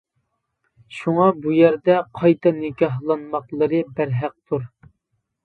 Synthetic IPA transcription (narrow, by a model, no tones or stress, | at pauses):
ʃuŋɑbujæɾd̪ɛqʰɑjt̪ʰɑnɨɡʲɑɦlˠɑnmɑqlˠɨɾɨbæɾɦæq̚t̪ʰuɾ